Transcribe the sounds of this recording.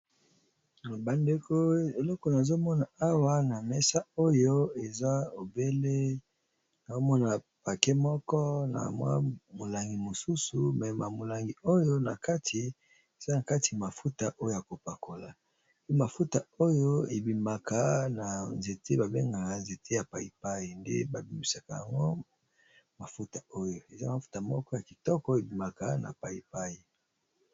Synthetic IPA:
ba˨nde˨kʰo˦e˨lɔ˦kɔ˨na˨zo˦mɔ˦na˨a˦wa˦na˨mɛ˦sa˦o˦jo˦e˨za˦o˨be˦le˦ | na˨zo˦mɔ˦na˨ | pa˨ke˦mɔ˦kɔ˦na̰˨mwa̰˦mo˨la˨ŋɡi˨mo˨su˦su˨mɛ˨ma˨mo˨la˨ŋɡi˨o˦jo˦na˨ka˦tʰi˨ | e˨za˦na˨ka˦ti˨ja˨ma˨fu˦ta˨ʔo˦jo˦ja˨ko˨pa˨kʰo˨la˨ | pe˦ma˨fu˦ta˨o˦jo˦e˨bi˨ma˨ka˦na˨nze˨te˦ba˨be˦ŋɡa˨a˨nze˨tʰe˦ja˨pa˨i˨pa˦ji˨ndḛ˦ba˨bi˨mbi˨sa˨ka˨ja̰˨ŋɡo˦ | ma˨fu˦ta˨o˦jo˨e˨za˦ma˨fu̥˦ta˨mɔ˦kɔ˦ja˨ki˨tɔ˦kɔ˦e˨bi˨ma˨ka˨na̰˨pa˨i˨pa˦ji˨

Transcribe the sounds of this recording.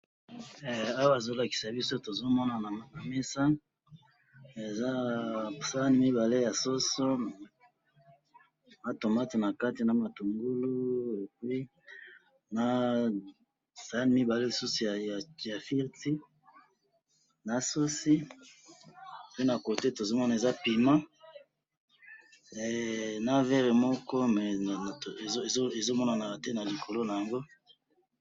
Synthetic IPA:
a˦wa˦a˨zo˦la˨ki̥˨sa˨bi˦so˦to˨zo˦mɔ˦na˨na˨m˨na˨mɛ˦sa˦ | e˨za˦sa˦ni˦mi˦ba˨le˦ja˨so˦so˦ | na˨to˨ma˦ti˨na˨ka˦ti˨na˨ma˨tu˨ŋɡu˦lu˦e˨kwi˦ | na˨ | sa˨a˦n˦mi˦ba˨le˦li˨su˦su˨ja˨ja˨ja˨fi˦ʁti˦ | na˨su˦si˦˨ | pe˦na˨ko˨te˦to˨zo˦mɔ˦na˨e˨za˦pi˨mã˦ | ɛ˨na˦vɛ˦ʁe˨mɔ˦kɔ˦mɛ˨e˨o˦e˨zo˦e˨zo˦mɔ˦na˨na˨a˨tɛ˦na˨li˨ko˨lo˦na˨ja˨ŋɡo˦

